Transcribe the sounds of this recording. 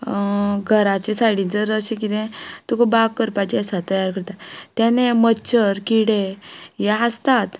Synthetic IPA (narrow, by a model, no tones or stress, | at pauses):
ɡʱəɾat͡ɕesaɽĩd͡zəɾəɕẽk̬id̪ẽt̪ukobaɡkəɾpad͡ʑasat̪əjaɾkəɾt̪at̪janemətːɕəɾkiɽejaːst̪at̪